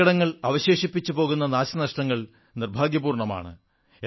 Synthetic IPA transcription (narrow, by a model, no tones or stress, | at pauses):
ɐɽɐŋːɐɭɐʋɐɕe̞ːʂipːit͡ɕːupo̞ːɣun̪ːɐnaːɕɐnɐʂʈɐŋːɐɭ | nirbʱaːɡjɐbuːrɳɐma̰ːɳɨ̰